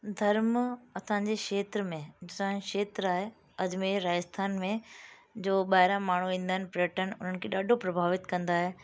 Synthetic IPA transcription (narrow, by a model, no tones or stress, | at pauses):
d̪ʱɐɾmɐsãɲd͡ʑekeːt̪ɾəmẽd͡ʑɪsãːkʃeːt̪ɾaːɦe | ɐdɪmẽɾaːəst̪ʰaːnmẽd͡ʑoːɓaːɦɪɾãmaːɳ̤uʋĩːn̆d̪aɦnɪ̆pɾɪəʈənɪ̆ʊn̤ənkʰeːɗaːɖʱopɾɐbʱaːʋɪt̪kɐ̃nd̪aːɦe